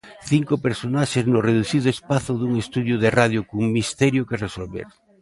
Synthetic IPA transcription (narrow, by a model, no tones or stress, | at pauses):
θiŋkopeɾsonaʃeznʊreðuθið̞oespaθoðuŋest̪uðjʊðerað̞jokuŋmist̪ɛɾjokeresolβḛɾ